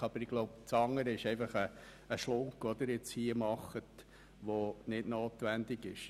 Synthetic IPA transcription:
ɑb̥əɾiɡ̥loʊp̚t͡sɑŋːəɾəɪʃɛɪfɑχəː | ʃlʊŋkɔd̪əɾɪt͡shiəmɑχət | ʋonɪdnoːt̪ʋænd̪ɪɡɪʃ

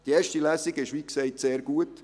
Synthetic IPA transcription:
d̥ieːɾʃtilæːsiɡɪʃʋiːkseɪtseːɾɡuət

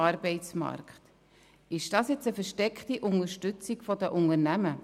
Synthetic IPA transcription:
ɑɾbɛɪt͡smɑ̰ɾkχt | ɪʃd̥ɑːsjɛt͡səfəɾʃtɛkχtiʔʊnəʃtʏt͡sikfɔdəʔʊnəɾnæmə

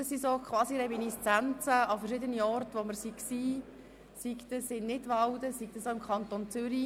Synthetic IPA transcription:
əsisokχʋɑːsiɾɛminist͡sænt͡səɑfərʃɪdəniɔrtʋoməɾsiksiː | sikt̪əsɪnnɪdʋɑwdəsik̚d̥̪əsoɪmkʰɑnt̪ont͡sʏɾi

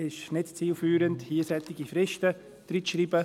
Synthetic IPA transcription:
ɪʃnɪtt͡siːlfyːɾənthiəsɛtɪɡifɾɛʃtə | d̥ɾitʃriːbə

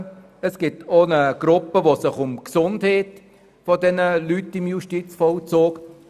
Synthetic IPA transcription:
əsɡ̥ɪtonəɡ̥ɾʊpːəʋosɪχʊmksʊndhɛːt | fodɛnəlytːɪmjuʃtit͡sfɔlt͡soːk

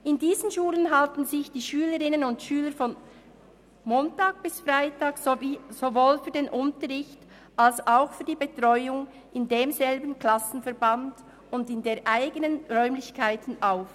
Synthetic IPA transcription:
ɪndiːzənʃuːlənɦaltn̩zɪçd̥iːʃyːləʁɪnənʊntʃyːləɾfɔn | moːntaːɡ̚b̥ɪsfʁaɪtaːksoizovoːlfyːɐdeːnʔʊntəʁɪçt | ʔalsaʊxfyːɐdiːbetʁ̥ɔʏʊŋ | ʔɪndeːmzɛlbən̩kl̥asn̩fɛɐband | ʊndɪndeːʔaɪɡənənʁœʏmlɪçkʰaɪtn̩ʔaʊf

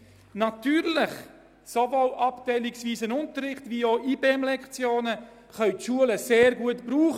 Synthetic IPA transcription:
nɑtyːɾlɪχ | sovoːlʔɑptɛɪliksviːsənʊntəɾːɪχtvioːʔiːbeɛmlɛkt͡sjoːnə | χœʏtʃuələseːɾɡuətb̥ɾuːχ

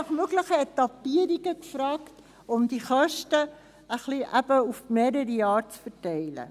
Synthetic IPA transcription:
ɑχmøɡləχəɛtɑpiəɾiɡəkfɾɑːkt | ʊmdiχœʃtə | əχliʔæbəufmeːɾəɾəjɑːɾt͡sfətɛɪlə̰

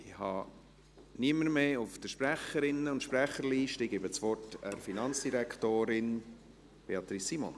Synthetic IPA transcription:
ɪhɑ̰ | niəməɾmeːʊfd̥əʃpɾæχəɾɪnːəʊntʃpɾæχəɾliːʃtɪɡebət͡sʋɔrtɛɾfinɑnt͡sd̥iɾæktoːɾɪn | b̥eɑt̪ɾisːimɔ̰n

